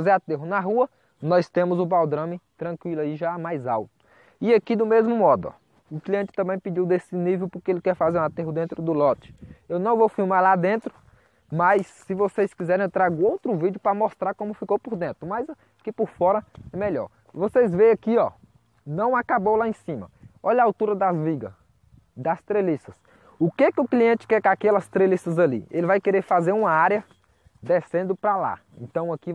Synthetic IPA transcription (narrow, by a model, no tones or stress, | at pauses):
zeat̪eɦʊnɐɦuɐ | nɔjst̪ẽmʊzʊbawd̪ɾɐ̃mɪt̪ɾɐ̃kwilʊaiʒamajza̰wt̪ʊ̥ | ɪakid̪ʊmezmʊmɔd̪ʊɔ̰ | ʊkliẽnt͡ʃɪ̥t̪ɐ̃mbẽj̃pid͡ʒiwd̪esɪnivewpʊɾkeelɪkɛɾfazeɾũat̪eɦʊd̪ẽnt̪ɾʊd̪ʊlɔt͡ʃɪ̥ewnɐ̃w̃vowfiwmaɾlad̪ẽnt̪ɾʊ | mɐjsːɪvosejskizɛɾẽj̃ewt̪ɾaɡʊowt̪ɾʊvid͡ʒjʊpɾɐmɔst̪ɾaɾkõmʊfikowpʊɾd̪ẽnt̪ɾʊmɐjz | kɪpʊɾfɔɾɐɛmeʎɔ̰ɾ | vosejzvẽj̃ɐkiɔ | nɐ̃w̃akabowlaẽsĩmɐɔʎɐaːwt̪uɾɐd̪ɐzviɡɐ̰ | d̪ɐst̪ɾelisɐs | ʊkekɪʊkliẽnt͡ʃɪ̥kɛkakɛlɐst̪ɾelisɐzɐlḭelɪvajkeɾeɾfazeɾũmɐaɾjɐ | d̪esẽnd̪ʊpɾala̰ | ḛ̃nt̪ɐ̃w̃ɐki